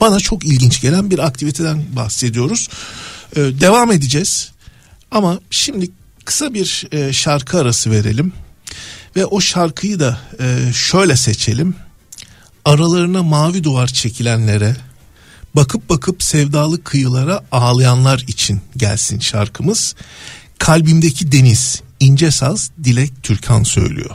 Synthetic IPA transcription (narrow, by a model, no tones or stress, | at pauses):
b̥anat͡ʃʰo̞kilʲɟint͡ʃɟe̞lʲænbiɾak̚t̪ʰivit̪ʰe̞d̪ænbaxse̞d̪ijo̞ɾuz̥ɯːd̪e̞vaːme̞d̪id͡ʒɛz̥ | amaʃimd̪i | kʰɯ̥sabiɾʃaɾkʰɯaɾasɯve̞ɾe̞̰lʲim | vɛʔo̞ʃaɾkʰɯjɯd̪a | ʃø̞jlʲɛset͡ʃʰe̞lʲim | aɾalˠaɾɯnamaːvid̪uaɾt͡ʃʰe̞cʰilʲænlʲe̞ɾɛ | bakʰɯp̚bakʰɯpsɛvd̪aːlˠɯkʰːɯjɯlˠaɾaaːlˠajanlˠaɾit͡ʃʰinɟæ̰lʲsinʃa̰ɾkʰɯmɯz̥kʰalʲbimd̪ecʰid̪e̞niz̥ind͡ʒɛsazd̪ilʲɛc̚t̪ʰyɾcʰansø̞̰jlʲy̰jo̰